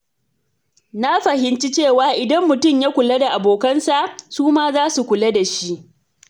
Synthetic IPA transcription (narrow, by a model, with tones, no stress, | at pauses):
na˦ɸɐ˨ɦɪ˨nt͡ʃi˦t͡ʃeː˦˨waː˨ʔɪ˨dɐ˦mːʊ˨tʊ˦˨mja˦kʷʊ˨le˦da˨ʔa˨boː˨kɐ˦nsa˨ʔsuː˦maː˦zaː˦su˨kʷʊ˨le˦da˨ʃi˦ʔ